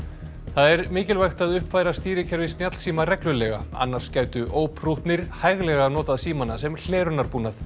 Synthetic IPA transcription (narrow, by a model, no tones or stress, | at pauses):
θaðɛɾmɪːcɪlvajxt̪aðʏhpfaːjɾast̪iːɾɪcʰɛɾvɪst̪jat̪l̥siːmarɛklʏlɛɣaa̰nːaɾ̥scaːɥt̪ʏʔoːwpʰruht̪nɪɾ̥hajɣlɛɣanɔːt̪aðsiːmanasɛml̥ɛːɾʏnaɾpuːnaθ